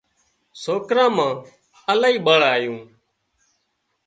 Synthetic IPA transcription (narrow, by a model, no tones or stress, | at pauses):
soːkɾãːmãː | əlaːiːɓəɭaːjũː